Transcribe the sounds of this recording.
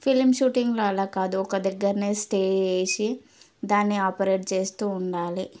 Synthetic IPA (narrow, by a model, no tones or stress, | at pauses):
pʰilmʃuːʈiŋɡloɐlaːkaːd̪uɔkɐd̪ɐɡːɐɾɐneːsʈeːd͡ʒeːjsi | d̪aːnːiaːpɐɾeːʈ̚t͡ʃe̞ːst̪uːɳɖaːli